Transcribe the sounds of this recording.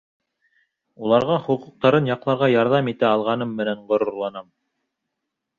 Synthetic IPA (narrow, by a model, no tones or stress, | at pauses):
ulˠɑɾʁɑχŭqŭq̚t̪ɑɾɤnjɑqlˠɑɾʁɑjɑɾðɑmit̪æɑlˠʁɑnɤmːɘ̆næɴʁŏɾŏɾlˠɑnɑm